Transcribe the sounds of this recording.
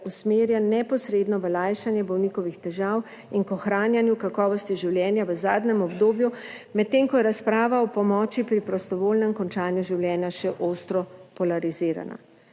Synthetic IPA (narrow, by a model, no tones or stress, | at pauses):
usmeːɾjanɛpɔsɾeːd̪nɔʋəlajʃanjɛbɔwnikɔʋixt̪ɛʒaːw | inkɔxɾaːnjanjukakɔːʋɔst̪iʒiwljɛːnjaʋəzaːd̪nɛmɔbd̪oːbjumɛt̪ːeŋkɔjɛɾaspɾaːʋaɔpɔmɔːt͡ʃipɾipɾɔst̪ɔʋoːlnɛmkɔnt͡ʃaːnjuʒiwljɛːnjaʃɛʔost̪ɾɔpɔlaɾiziːɾa̰na̰